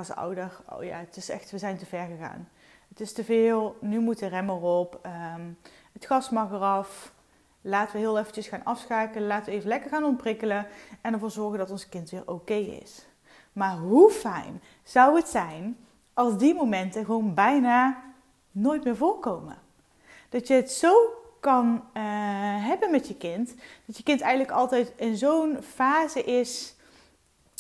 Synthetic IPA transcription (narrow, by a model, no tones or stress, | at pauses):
ɑsʌ̰wdəro̰wja̰ːətɪsɛ̰xtʋəzɛjntəvɛɹɣəɣa̰ːn | ətɪstəvɪːlˠnymutərɛmərɔpə | ətxɑsmɑɣərɑf | laːtəʋəɦɪːlˠɛfət͡ʃəsxaːnɑfsxaːkələlaːtəʋəejvəlɛkəɹɣaːnɔmprɪkələɛnəɹvʊːɹzɔɹɣəndɑtɔnzkɪntʋɪːɹʔowkejɪ̰s | maːɹɦufɛ̰jn | z̥ʌwətsɛjn | ɑlˠzdimowmɛntəɣəʋownbɛjnaː | noːjtmɪːɹvoːɹkowmə̰ | d̥ɑtjəɦətsowkɑn | ɦɛbənmɛtjəkɪntd̥ɑtjəkɪntɛjɣənləkɑlˠtɛjtɪnzownfaːzəʔɪs